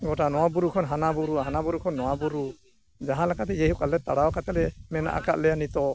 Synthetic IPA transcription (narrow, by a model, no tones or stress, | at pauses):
ɡɔʈanɔwabuɾukʰɔnɦanabuɾuaɦanabuɾukʰɔnːɔwabuɾu | d͡ʒaɦãlakat̪ɛd͡ʒɛɦukalɛt̪aɽaɔkat̪ɛlɛmɛna̰ʔa̰ka̰ʔ̪̚lɛjanit̪ɔ